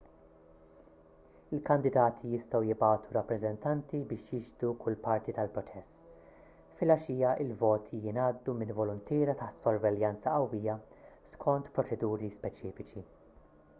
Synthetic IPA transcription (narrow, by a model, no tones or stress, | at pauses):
ɪlkɐnd̪ɪd̪ɐːt̪ʰijɪst̪ɔwjɪbɐːt̪ʰuɾɐpːɾɛzɛnt̪ɐnt̪ibɪːʃjɪd͡ʒd̪ukʰʊlːpɐɾt̪it̪ɐlpɾɔt͡ʃɛs | fɪlɐʃiːjɐʔɪlvɔːt̪ʰijɪnɐːd̪ːumɪnvɔlʊnt̪ɪːɾɐt̪ɐħt̪sɔɾvɛljɐnt͡sɐʔɐwːijɐ | skʰɔnt̪pɾɔt͡ʃɛd̪uːɾispɛt͡ʃiːfɪt͡ʃi